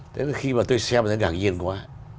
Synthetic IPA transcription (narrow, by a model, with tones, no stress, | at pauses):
t̪ʰe˨˦n˨˩xi˧maː˨˩t̪o˧jsɛ˧mt̪ʰə˨˦ŋa̰ː˨˩ŋzi˧ənkwaː˨˦